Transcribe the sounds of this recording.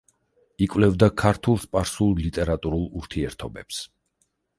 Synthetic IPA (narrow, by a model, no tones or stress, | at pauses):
ikʼvlɛvd̪akʰaɾt̪ʰulˠspʼaɾsulˠlit̪ʼɛɾat̪ʼuɾulˠuɾt̪ʰiɛɾt̪ʰɔbɛps